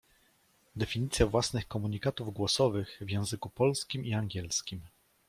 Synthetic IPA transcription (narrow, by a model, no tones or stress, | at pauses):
d̪ɛfʲiɲit̪sʲjavwasnɘxkɔmuɲikat̪uvɡwɔsɔvɘxvʲjɛ̃w̃zɘkupɔlskʲimiaŋɡʲɛlskʲim